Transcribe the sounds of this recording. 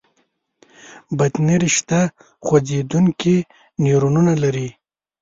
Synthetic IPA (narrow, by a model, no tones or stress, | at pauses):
bat̪niɾiʃt̪a | xwad͡zed̪unki | niɾununalaɾi